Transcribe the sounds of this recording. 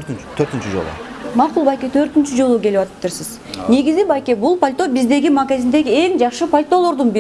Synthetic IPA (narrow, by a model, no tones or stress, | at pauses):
t̪ʰøɾt̪ɪnt͡ʃyd͡ʒo̰lˠṵ | mɑqulˠbɑjkʲet̪ʰø̞ɾt̪ɪnt͡ʃyd͡ʒo̞lˠukʲʰeliʋɑt̪ɯ̥p̚t̪ɨɾsɪz | ne̞ɡʲizibɑjkʲebulˠpʰolʲt̪o̞bizd̪e̞ɡʲimaɡazʲind̪e̞ɡʲie̞ŋd͡ʒɑχʃɨpʰolʲt̪o̞lˠo̞ɾd̪unbi